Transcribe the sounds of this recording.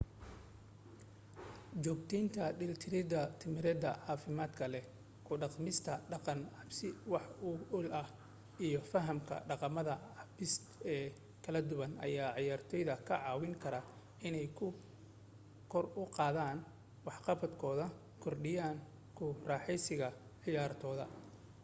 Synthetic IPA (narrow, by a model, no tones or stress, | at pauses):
t͡ʃɔːɡt̪ʰɛnt̪ʰɐɖɪlt̪ʰɪɾɪd̪ɐt̪ʰɪmɪɾɛd̪ɐ̰ʕɑːfɪmaːd̪kʰɐlɛ | kʰʊɖɑqmɪst̪ʰɐɖɑqɑnʕɑbsɪwɑħʊʊlɐh | ijɔfɐɦɐmkʰɐ̰ɖɑqɑmɐðɐʕɑbɪs | ɛː | kʰɐlɐd̪ʊβɐnɐ̰jaːʕɪjaːrt̪ʰɔjðɐkʰɐʕɑːwɪŋkʰɐɾɐ | ɪnɛjkʰʊ | kʰɔrʊqɑːðaːn | wɑħqɑfɐd̪kʰɔːðɐ | kʰɔrɖɪjaːŋ | kʰʊrɑːħɛjsɪɣɐ | ʕɪjaːrt̪ʰɔːðɐ̰